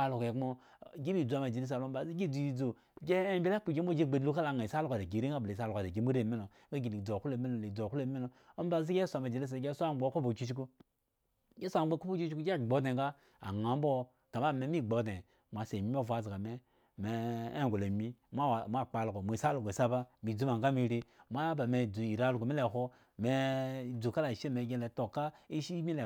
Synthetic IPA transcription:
a˦lu˨ke˨˦mo˦˨ | ɡi˦bi˦˨d͡zu˨a˨ma˨d͡ʒe˨ɾi˦s̬a˨lo˦m̩˦ba˨zi˦ɡi˦˨d͡zu˨i˨d͡zo˨ | ɡe˦bʲi˦la˦k͡pu˨ɡe˦o˦d͡ʒe˦˨ɡ͡be˨du˦ka˦la˨ŋa˨i˨sa˦lo˦ka˨de˨ɡi˨ɾi˦ŋa˦be˨sa˦lo˨ka˨de˨ɡe˨m˦u˦ɾe˦˨me˦no˨˦ɡa˦ɡi˨ni˨d͡zo˨ku˦le˨me˦no˨le˨d͡zo˨ku˦le˨˦me˦no˨ | o˦m˦ba˨zi˦ɡe˦sʷa˨ma˨d͡ʒe˨li˦s̬a˨˦ɡe˦sʷa˦˨˦ɡ͡bo˦ko˦bo˨t͡ʃi˦ʃi˦ku˦ | ɡe˦sʷa˦˨˦ɡ͡bo˦ku˦po˦t͡ʃi˦t͡ʃku˦ɡe˦˨ɡ͡bo˨˦de˨ka˦ | a̰˨ŋa˨m˦bo˦ | ka˨ma˦me˨˦mi˦˨ɡ͡bo˨˦de˨ | mʷa˨se˨mi˦mʲ˦o˦˨va˨˦˨zi˨ɡa˨me˦ | me˨e˦˨ɡʷo˨le˨mi˦ma˦˨mʷa˦˨k͡pa˨˦lɡo˨mʷo˨sa˦lo˨ɡo˨sa˦ba˦mi˨d͡zu˦ma˨ŋɡa˦mi˦˧˨ɾi˦mʷa˦ba˨me˨d͡zu˨i˨ɾa˦lo˨ɡo˨mi˦le˨ɦo˦ | me˨d͡zu˨ka˦la˨ʃe˦˨me˨˦ɡʲe˦le˨to˨ka˦i˦ʃi˦mi˦le˨

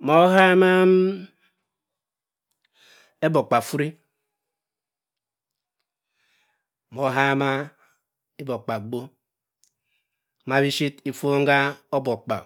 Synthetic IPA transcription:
mo˦ha˦ma˦m˦ | e˦bo˨k͡pa˨fu˦ɾi˦˨ | mo˨˦ɦa˦ma˦ | i˦bo˨k͡pa˨ɡ͡bo˦ | ma˨bi˦ʃi˦ti˦fo˦ŋ̩˦ɡa˦o˦bo˨k͡pa̰˨

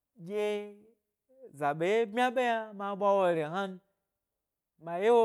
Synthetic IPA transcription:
ɡʲe˦ | za˨ɓe˨je˦bmʲ˦a˦ɓe˦ja˦ma˧˦ɓʷa˦wo˧ɾʲe˨ɦa˦n˧ | ma˨je˦wo˦

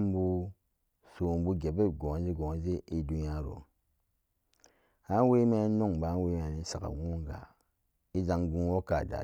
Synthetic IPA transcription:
m˦bu˦ | su˨bu˦ɡe˨be˦˨ɡo˨ŋ˨˦zi˦ɡo˨ŋ˨ze˦ʔi˦du˦n˦a˦ɾo̰˨ | ha˦we˦me˦no˦˨ŋba˨˦we˦ma˨ni˦sa˨ka̰˨wu˦ŋɡa̰˨ | i˦za˦ŋɡu˦nwo˦ka˨da̰˨

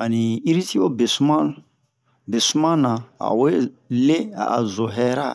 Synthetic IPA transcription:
a˨ni˨i˦ɾi˦ti˦wo˦be˨su˦mã˦ | be˨su˦mã˦nã˨a̰˨we˦le˦a̰˨a̰˨zo˨ɦɛ˦ɾa̰˦

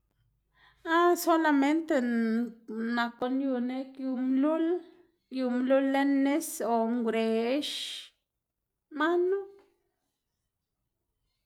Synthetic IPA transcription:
a˦so˦la˧me˦nt̪e˧ | na˨ko˧nju˧ne˧kju˧mlu˦l | ju˧mlu˦lːe˦nːe˦so˨ŋɡʷɾe˨˦ʃ | ma˦nu˦

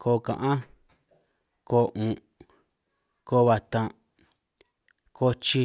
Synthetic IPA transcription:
kʰoː˧kã̰˨ʔã˦ | koː˧˦ʔũ˨ | ko˧˦˧βa˧t̪ã˧ | kʰo˦t͡ʃi˧

